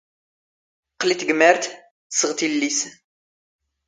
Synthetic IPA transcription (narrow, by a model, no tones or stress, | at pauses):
qlit̪ɡəmːəɾt̪ | səʁt̪ilːis